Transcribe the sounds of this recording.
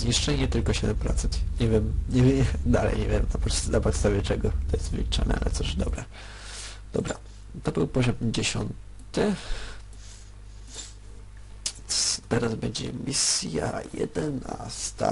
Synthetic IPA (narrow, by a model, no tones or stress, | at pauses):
zɲiʂt͡ʂɛɲɛt̪ɘlkɔɕɛd̪ɛmpɾɔt̪sɛnt̪ɲɛvʲjɛmɲɛvʲd̪alɛ̰jɲɛ̰vʲjɛmnapɔnapɔt̪st̪avʲɛt͡ʂɛɡɔt̪ɔjɛst̪vɘ̰lʲit͡ʂa̰nɛ̰ʔa̰lʔɛt̪sɔd̪ɔbɾɛ | d̪̥ɔbɾa | t̪ɔbɘwpɔʑɔmd͡ʑeɕɔ̰n | t̪ɘ | t̪ɛɾazbɛɲd͡ʑɛmʲisʲjajɛ̰d̪ɛnast̪a̰